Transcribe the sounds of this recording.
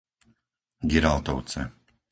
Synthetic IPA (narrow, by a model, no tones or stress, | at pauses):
ɡiɾalˠt̪ɔʊt͡sɛ̰